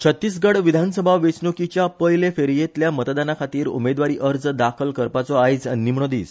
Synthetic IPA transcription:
t͡ɕʰət̪ːiːs̬ɡəɽʋid̪ʱansəbʱaʋesnokit͡ɕjapəjlefeɾjet̪ljamət̪d̪anakʰat̪iːɾṵmed̪ʋaɾiːʔəɾd͡zd̪akʰəlkəɾpat͡sɔajd͡zə̰nːim̤ɳod̪iːs

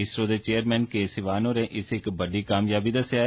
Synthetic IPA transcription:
ɪsɾõːd̪et͡ʃeːəɾmɛ̃ːnkeːsɪʋaːnõːɾẽːʔɪsɪkbəɖiːkaːmjaːbiːd̪əsjaː

